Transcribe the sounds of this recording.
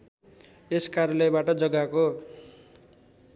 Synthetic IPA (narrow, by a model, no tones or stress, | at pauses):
eskaɾjʌlʌjbaʈʌd͡zʌɡako